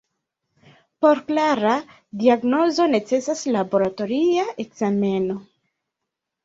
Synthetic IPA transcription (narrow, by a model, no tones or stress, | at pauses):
po̞ɾklaɾa | diaɡno̞zo̞ne̞t͡se̞saslabo̞ɾato̞ɾiaʔekz̥ame̞no